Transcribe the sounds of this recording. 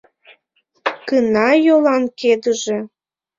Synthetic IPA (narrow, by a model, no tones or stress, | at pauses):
kənɑjolɑnked̪əʒe